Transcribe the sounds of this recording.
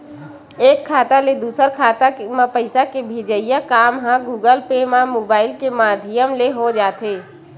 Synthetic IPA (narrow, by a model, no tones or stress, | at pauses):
eːkʰːaːt̪aled̪uːsəɾkʰaːt̪amãpəɪsakebʱed͡ʒəɪjakaːmɦãɡuːɡəlpemãmoːbaːɪlkemaːd̪ʱɪjəmleɦod͡ʒaːt̪eː